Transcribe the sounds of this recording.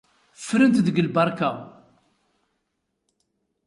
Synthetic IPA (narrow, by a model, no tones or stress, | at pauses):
fːɾənt̪ðəɡəlbɑɾˤkaw